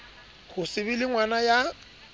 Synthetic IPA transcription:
hʊsɪβɪlɪŋwanaja

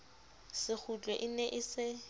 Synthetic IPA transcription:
sɪk͡xʰut͡ɬʼwɛʔɪnɛʔɪsɪ

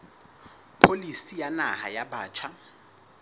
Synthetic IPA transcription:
pʰolisijanaha̰jabaːt͡ʃʰa

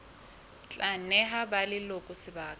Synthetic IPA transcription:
t͡ɬʼanɛɦabalɪlokʼʊsɪbaːkʼ

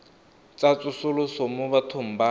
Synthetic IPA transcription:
t͡sʼat͡sʼʊsʊlʊsɔmʊβatʰʊm̩ba

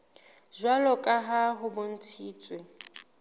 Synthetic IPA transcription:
ʒwalɔkʼaɦaɦʊbon̩tʰiːt͡sʼwe

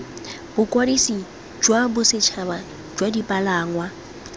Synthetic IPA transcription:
bʊkʼwadisi | d͡ʒwabʊsɪt͡ʃʰaba | d͡ʒwadipʼalaːŋwa

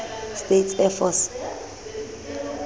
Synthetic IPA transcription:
stetʰɛfɔs

